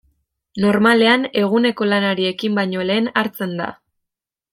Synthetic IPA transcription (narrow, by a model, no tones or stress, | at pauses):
no̞ɾmale̞ane̞ɣ̞une̞ko̞lanaɾie̞kimbajɲo̞le̞ːnaɾt͡se̞nd̪a̰